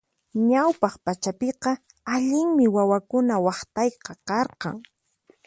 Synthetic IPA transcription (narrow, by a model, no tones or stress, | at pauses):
ɲawpɑχpat͡ʃapɪqɑ | aʎɪŋmɪwawakʊnawɑχt̪ɑjqɑkɑɾqɑ̰ŋ